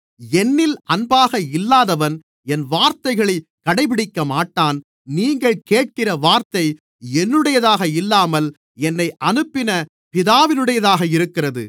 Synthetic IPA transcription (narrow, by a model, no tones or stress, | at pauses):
ɛnːɪlʔɐnbaːɣɐɪlːaːðɐʋɐn | ɛnʋaːɾt̪ɐɪɣɐɭɐkːɐɽɐɪpɪɽɪkːɐmaːʈːaːn | niːŋɡɐɭkeːʈ̚kɪrɐʋaːɾt̪ɐɪ | ɛnːɯɽɐjɐðaːɣɐɪlːaːmɐl | ɛnːɐɪʔɐnɯpːɪnɐ | pɪðaːʋɪnɯɽɐjɐðaːɣɐɪɾɯkːɪrɐðɯ̰